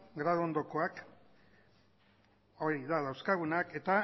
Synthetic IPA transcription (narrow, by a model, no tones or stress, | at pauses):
ɡɾaðoond̪o̞ko̞ak | o̞ɾiðað̞awskaɣ̞unake̞t̪a